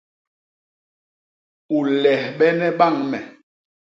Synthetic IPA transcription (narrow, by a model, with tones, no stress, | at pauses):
u˨lɛ˨hɓɛ˦nɛ˦ɓa˦˨ŋmɛ˨